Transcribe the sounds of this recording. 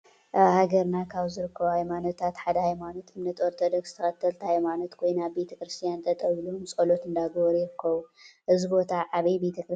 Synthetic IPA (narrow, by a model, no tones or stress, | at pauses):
ʔhaɡɐɾnakʰaβzɨɾɨkʰːɐβhajmano̞t̪ʰat̪ħad̪ɐhajmano̞t̪ɨmnɐt̪oɾt̪ʰod̪okst̪ʰɐxɐt̪ʰːɐlt̪ʰhajmano̞t̪kʰojnabbe̞t̪ʰɐkɾɨst̪ʰijant̪ʰɐt̪ʼɐwilumsʼɐlo̞t̪ɨnd̪aɡɐβɾjɪɾɨkʰːɐβuʔɨzibo̞t̪ʰaʕaβɐjbet̪ʰɐkɾɨ